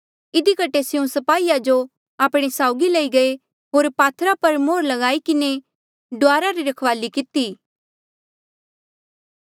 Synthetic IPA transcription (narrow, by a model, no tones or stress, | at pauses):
ɪd̪ikɐʈesɪũsɐpaːijad͡ʒo | aːpɽ̃esaːʊɡilɐiɡɐe | ɦoːɾpaːt̪ʰɾapɐɾmoːɾlɐɡaːikɪne | ɖʊaːɾaɾiɾɐkʰʋaːlikɪt̪iː